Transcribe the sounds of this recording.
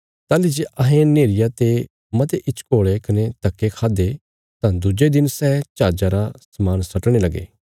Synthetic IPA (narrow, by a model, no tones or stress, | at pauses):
t̪aːlid͡ʒeʔɐɦẽneːɾɪjat̪e | mɐt̪eʔɪt͡ʃʰkoːɭekɐnet̪ɐkːekʰaːd̪e | t̪ãd̪ʊd͡ʒed̪ɪnsɛːt͡ʃaːd͡ʒaɾasɐmaːnsɐʈɽ̃elɐɡḛː